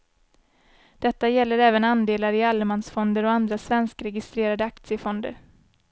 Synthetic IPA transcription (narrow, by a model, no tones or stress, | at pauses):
d̪̥ɛt̪ːajɛlːəɾɛːvənand̪eːlaɾɪalmansfɔnd̪əɾɔand̪ɾasvɛnskɾɛɡɪst̪ɾeːɾad̪əakt̪sɪəfɔnd̪ə̰ɾ